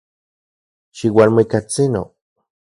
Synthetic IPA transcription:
ʃiwalmikat͡sino̰

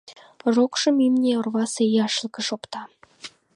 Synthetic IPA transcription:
rokʃə̆mimnʲeorβɑsejɑʃlkə̆ʃopt̪ɑ

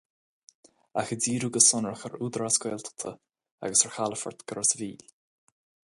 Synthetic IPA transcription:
axədiːɾuɡəsʊnəɹəxəɾuːd̪ɾaskwɛːlt̪ʰə̥t̪ʰə | a̰ɡəsəɹxaləfə̰ɹt̪ɡ̥əɾəsviːl

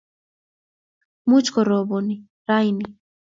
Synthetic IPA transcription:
mut͡ʃkɔɾɔbɔni | ɾajni

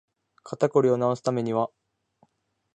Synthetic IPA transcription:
kʰat̪akoɾʲio̞nao̞sɨ̥t̪ame̞ɲ̟iβa

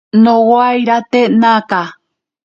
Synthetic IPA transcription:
nõwajɾat̪enãka

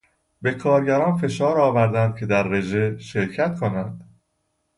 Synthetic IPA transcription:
be̞kʰɒːɾɟæɾɒːnfe̞ʃɒːɾɒːvæɾd̪ænd̪̚cʰe̞d̪æɾːe̞ʒeʃe̞ɾcʰæt̪kʰonænd̪̥

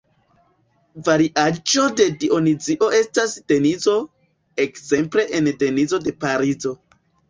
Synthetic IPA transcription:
vaɾiʔad͡ʒode̞dio̞nid͡ziʔo̞ʔe̞stasd̥e̞nizo̞ | ekz̥e̞mple̞ʔende̞nizo̞de̞paɾizo̞

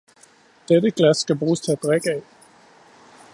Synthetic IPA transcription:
d̥eɾəɡ̥læsːkæbʁuːstʰt͡sʰeæd̥ʁɛɡ̥ɛɪ

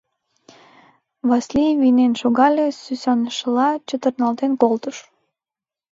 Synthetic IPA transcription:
βɑslʲivinenʃoɣɑlʲesysɑnəʃəlɑt͡ɕət̪ə̆rnɑlt̪enkolt̪əʃ

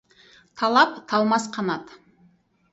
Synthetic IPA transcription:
t̪ʰɑlˠɑpt̪ʰɑlˠmɑsqʰɑnɑt̪

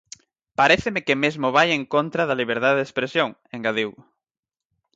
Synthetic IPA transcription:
paɾeθemekɪmezmʊβajeŋkont̪ɾaðaliβ̞eɾðaðeðespɾesjoŋeŋɡaðiw

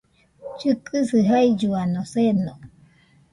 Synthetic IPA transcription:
t͡ʃɨkʰɨsɨɦaid͡ʒuanoseno

